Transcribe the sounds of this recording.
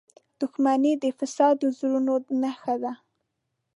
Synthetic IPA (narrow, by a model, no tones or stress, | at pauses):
d̪̥ʊxmanid̪əfɪsɑd̪əzulunonaxad̪a